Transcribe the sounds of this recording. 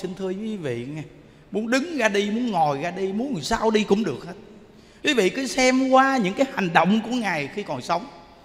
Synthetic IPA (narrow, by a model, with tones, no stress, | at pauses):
si˧ŋt̪ʰɨ˧əjɨ˨˦kwi˨˦vḭ˧˨ŋa˨˩ | mu˨˦ənɗɨ˨˦ŋɣaː˧ɗi˧mu˨˦ənŋɔ˨˩jɣaː˧ɗi˧mu˨˦ən˨˩saː˧wɗi˧kʊ̰˧˥ŋ͡mɗɨ˨˩ək̚həː˦˥t̚ | kwi˨˦vḭ˧˨kɨ˨˦sɛ˧mkwaː˧ɲɨ̰˧˥ŋkaː˨˦jha˨˩ŋ̟ɗə̰˧˨wŋ͡mku˧˩əŋaː˨˩jxi˧kɔ˨˩nsə˨˦wŋ͡m